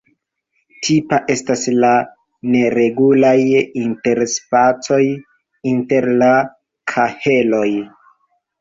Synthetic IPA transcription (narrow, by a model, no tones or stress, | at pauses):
tʰipaʔe̞stasla | ne̞ɾe̞ɡulajinte̞ɾspat͡so̞j | inte̞ɾla | kʰahe̞lo̞j